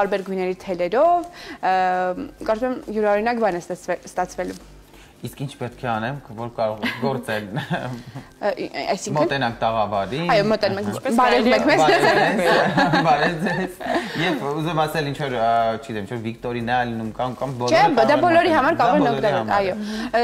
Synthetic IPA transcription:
t̪ɑɾbɛɾɡujnɛɾit̪ʰɛlɛɾɔv | kɑɾt͡sumɛmjuɾɑhɔɾinɑkbɑnɛst̪ɛst̪ɑt͡sʰvɛlu | iskint͡ʃʰpɛt̪̚kʰɛɑnɛmkʰvɔɾkɑɾɔʁɛɡɔɾt͡sɛl | ɑ̰jsiŋmkʰənɛnɑŋkʰt̪ɑʁɑvɑɾiɑjɔmɔt̪ɛnumɛkbɑɾɛumɛkʰmɛɛbɑɾɛd͡zɛzjɛvuzɛmɑsɛlint͡ʃʰvɔɾt͡ʃʰəɡiɛmint͡ʃʰɔɾvikt̪ɔɾinɛlinumkɑnkɑmbɔt͡ʃʰɛd̪ɑbɔlɔɾiɦɑmɑɾkɑɾɔɔʁɛɾnɔd̪ɑɑjɔ

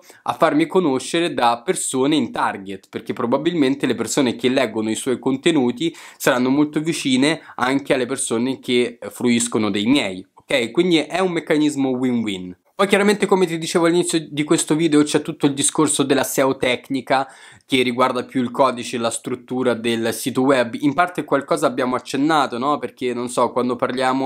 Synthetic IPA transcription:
a̰fːarmikonoʃːeɾed̪apːersoːneint̪arɡet̪perk̟epːɾobabilment̪elepersoːnek̟elːɛːɡːonoiswɔjkont̪enuːt̪isaɾanːomolt̪ovit͡ʃiːneaŋk̟ealːepersoːnek̟efɾuiskonod̪ejmjɛjokɛjkwind̪iʔɛumːekːanizmowinwin | pɔjkjaɾament̪ekomet̪id̪it͡ʃeːvoalːinit̪sjod̪ikwest̪oviːd̪eot͡ʃɛt̪ːut̪ːoild̪iskorsod̪elːasɛot̪ɛknika | k̟erːiɡward̪apjuilkɔːd̪it͡ʃelast̪ɾut̪ːuːɾad̪elsiːt̪owɛbːimpart̪ekwalkɔːzaːbjaːmoat͡ʃːenːaːt̪onɔperk̟enonsɔkːwand̪oparljaːmo

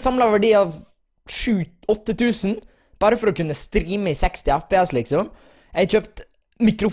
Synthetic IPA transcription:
sɑmlɑʋæɖiːɑːʋ | ʃʉː | ɔt̪ːət̪ʰʉːsən | b̥ɑːɾəfɔɾɔkʉnːəst̪ɾiːməɪsɛkst̪ɪæfpeːɛslɪksɔm | ɛɪçøːpt̪ | mɪkɾʊf

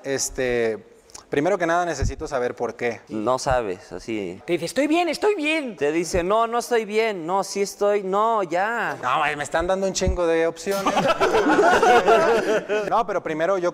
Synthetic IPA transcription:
est̪e | pɾime̞ɾo̞k̬e̞naðanes̬esit̪o̞saβe̞ɾpo̞ɾkeno̰saβ̞ḛsa̰sḭt̪eðiθest̪o̞jβjenest̪ojβjent̪e̞ðiseno̞no̞est̪o̞jβje̞nːo̞siest̪ojnoʝanoemeːst̪and̪and̪ount͡ʃiŋɡoðeopsjon | nope̞ɾo̞pɾime̞ɾo̞ʝo

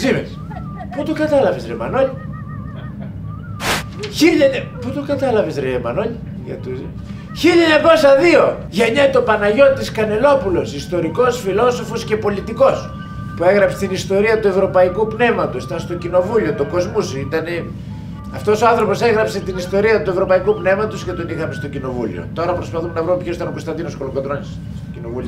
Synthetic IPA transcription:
zimes | put̪okɐt̪ɐlɐvesɾemɐ̰no̞ʎi | çiʎɐɲɐput̪okɐt̪ɐlɐvesɾeemɐ̰no̞ʎi | ʝɐ̰t̪u | çiʎɐeɲɐko̞sɐðio̞ | ʝeɲɐt̪o̞pɐnɐʝo̞t̪iskɐne̞lo̞pulo̞sist̪o̞ɾiko̞sfilo̞so̞fosce̞po̞lit̪iko̞s | pue̞ɣɾɐpse̥t̪inist̪o̞ɾiɐt̪ue̞vɾo̞pɐikupne̞mɐt̪usi̥t̪ɐnst̪o̞cino̞vuʎio̞t̪oko̞zmusit̪ɐne | ɐft̪o̞soɐnθɾo̞po̞se̞ɣɾɐpse̞t̪inist̪o̞ɾiɐt̪ue̞vɾo̞pɐikupne̞mɐt̪uscet̪o̞nixɐme̞st̪o̞cino̞vṵlḭo̰t̪o̞ɾɐpɾo̞spɐθumenɐvɾumepçosit̪ɐno̞ko̞st̪ɐnd̪inosko̞loɡod̪ɾonis | ocinovui

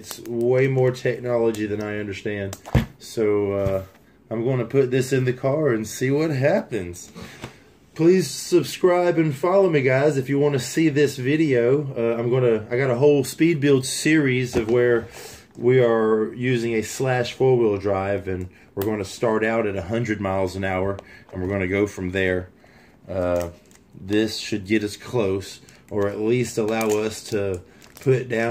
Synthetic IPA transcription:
tsweɪmɔɹtʰɛk̚nɑlˠəd͡ʒiðɨ̃naɪʌ̃ndə˞stæ̃nd̥soʊʌ | ãɪ̃mɡoʊɪ̃ŋtʰɨpʰʊt̪̚ðɪsɨ̃nðɨkʰɑɹɨ̃nsiwʌt̚ɦæpɨ̃nz̥ | pʰl̥iz̥sɨb̥skɹaɪbɨ̃nfɑlˠoʊmiɡaɪzɨfjɨwɑ̃nɨsiðɪsvɪɾioʊʌãɪ̃mɡoʊɪ̃ŋtʰɨaɪɡɑɾəɦoʊlˠspid̚bɪlˠdsɪɹizʌvwə˞ | wiə˞jʉzɪ̃ŋɨslæʃfɔɹwɪlˠdɹaɪvɨ̃n | wɪɹɡoʊɪ̃ŋtʰɨstɑɹɾaʊɾɨɾɨɦʌ̃ndɹɨd̚maɪlˠzɨ̃n̩aʊə˞ɨ̃nwɨɹɡoʊɪ̃nɨɡoʊfɹʌ̃mðə˞ | ʌ | ðɪsʃɨd̚ɡɛɾʌskʰl̥oʊs | ʔə˞ɨtˡlistəlaʊʌstʰɨ | pʰʊɾɨt̚d̥ãʊ̃

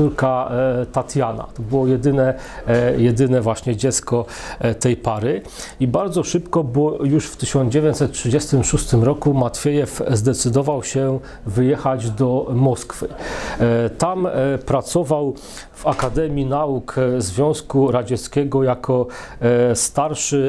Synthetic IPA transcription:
uɾkat̪at̪jana̰t̪ɔbɘwɔjɛd̪ɘnɛ | jɛd̪ɘnɛvwaɕɲɛd͡ʑɛt̪skɔt̪ɛjpaɾɘ | ibaɾd̪zɔʂɘpkɔbɔɔjuʂft̪ɘɕɔnd͡ʑevʲeɲt̪sɛt̪̚tʂɘd͡ʑɛst̪ɘmʂust̪ɘmɾɔkumat̪fʲjɛjɛfzd̪ɛt̪sɘd̪ɔvawɕɛ | vɘjɛxad͡ʑd̪ɔmɔskfɘ | t̪ampɾat̪sɔvaw | vakad̪ɛmʲjinaukzvʲjɔ̃w̃skuɾad͡ʑɛt̪skʲɛɡɔjakʰɔ | st̪aɾʂɘ

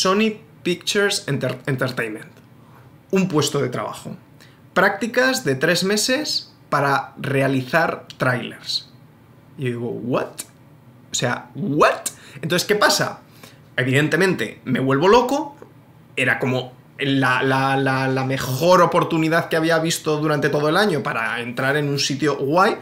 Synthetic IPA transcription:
so̞ni | pikt͡ʃeɾsent̪eɾent̪eɾt̪ejnmẽnt̪ | umpwe̞st̪o̞ðe̞t̪ɾa̰βa̰xo̞̰ | pɾak̚t̪ikazðe̞t̪ɾe̞zme̞se̞s | paɾare̞aliθaɾt̪ɾajle̞̰ɾs | oðiɣo̰wwat̪ | osea̰ɣwat̪ent̪onθeske̞pasa̰ | e̞βiðe̞nt̪e̞mẽnt̪e̞̰me̞βwe̞lβo̞lo̞ko̞ | e̞ɾako̞mo̞ | lallalame̞xo̞ɾo̞po̞ɾt̪uniðaðkeaβiaβist̪o̞ðuɾant̪e̞t̪o̞ðoe̞laɲo̞paɾa̰e̞nt̪ɾaɾe̞nunsit̪joɣwaj

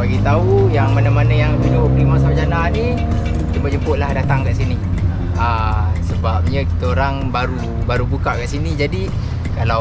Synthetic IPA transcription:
baɡit̪aujaŋmanamanajaŋbunokɾimas̬amad͡ʒananid͡ʒəmpoʔd͡ʒəmpoʔlahdat̪aŋkaʔsini | asəbap̚ɲəki̥t̪əoɾaŋbaɾu | baɾubukaʔkaʔsinid͡ʒadi | kala

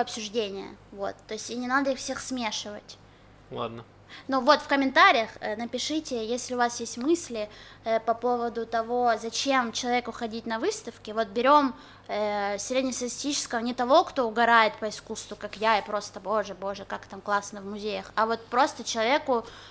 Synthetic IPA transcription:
ɐpsʲʊʐdʲenʲɪjə̰vo̞̰t̪ːoɪsʲtʲɪnʲɪnad̪əixfsʲexsmʲeʂɨvə̰tʲ | lˠa̰d̪nə | nuvo̞t̪fkəmʲɪnt̪aɾʲɪjəxənəpʲɪʂɨtʲɪjesʲlʲɪʊvasjesʲtʲmɨsʲlʲɪpɐpo̞vəd̪ʊt̪ɐvo̞zɐt͡ɕemt͡ɕɪlˠɐvʲekʊxɐdʲit̚ʲnɐvɨst̪əfkʲɪvo̞t̪̚bʲɪɾʲo̞m | əsɾʲedʲnʲɪst̪əɪsʲtʲit͡ɕɪ̥skəvənʲɪt̪ɐvo̞kt̪o̞ʊɡɐɾajɪt̪̚pəɪskust̪vʊkakjaɪpɾo̞st̪əbo̞ʐɨbo̞ʐɨkakt̪amklˠasnəvmʊzʲejəxɐvo̞t̪̚pɾo̞st̪ət͡ɕɪlˠɐvʲe̞kʊ

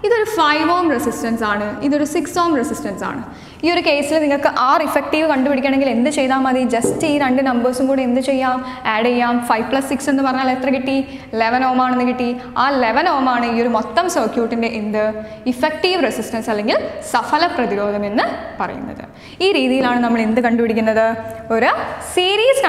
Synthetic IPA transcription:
iðo̞ɾufɐjʋoːmresisʈɐnsaːɳɨiðo̞ɾusiksoːmresisʈɐnsa̰ːɳɨ | io̞ɾuke̞ːsilniŋːɐɭkɨʔaːrifek̚ʈiːʋɨkɐɳɖupɐɽikʲːaɳe̞ŋɡile̞nd̪ɨt͡ɕe̞jðaːmɐðid͡ʑɐstɨiːɾeɳɖɨnɐmbɐːsumkuːɽeend̪ɨt͡ɕe̞jːaːm | aːɽejːaːmfɐjʋpɭɐsːiksenːɨpɐrɐɲːaːlet̪rɐkiʈːi | le̞ʋɐnoːmaːɳenːɨkiʈːiaːleʋɐnoːɐmaːɳɨiːo̞ɾumot̪ːɐmsɐrkjuːʈːinde̞ʔend̪ɨ | ifek̚ʈiːʋresisʈɐnsɐlːe̞ŋɡilsɐfɐlɐprɐðiɾo̞ːd̪ɐme̞nːɨpɐrɐ̰jṵnːɐ̰ðɨ̰ | iːɾiːðijilaːɳɨnɐmːɐɭend̪ɨkɐɳɖupiɽikʲːunːɐðɨoɾusiːɾiːs

